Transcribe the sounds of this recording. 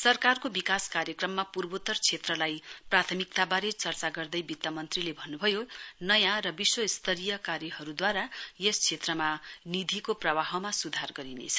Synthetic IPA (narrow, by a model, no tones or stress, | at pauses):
sʌrkarkobikaskaɾjʌkrʌmːapurbot̪ʌrt͡sʰet̪rʌlajprat̪ʰʌmik̚t̪abaɾet͡sʌrt͡saɡʌrd̪ʌjbit̪ːʌmʌnt̪rilebʱʌnːubʱʌjonʌjãrʌbiswʌist̪ʰʌɾijʌkaɾjiɦʌɾud̪waɾajest͡sʰet̪rʌmanid̪ʱikoprʌbaɦʌmasud̪ʱarɡʌɾinḛt͡sʰʌ̥